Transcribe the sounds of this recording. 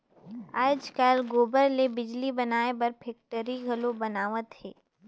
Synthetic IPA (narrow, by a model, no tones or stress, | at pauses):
aːd͡ʒkaːlɡoːbəɾlebɪd͡ʒlibɐnaːebɐɾpʰɛk̚ʈəɾiɡʱɐlobɐnaːʋət̪ɦɛː